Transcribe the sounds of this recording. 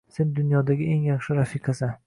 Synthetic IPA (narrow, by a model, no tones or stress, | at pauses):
se̞nd̪ʊnjɒd̪aɡʲɪe̞ŋjɑχʃɪɾafiqʰɑsa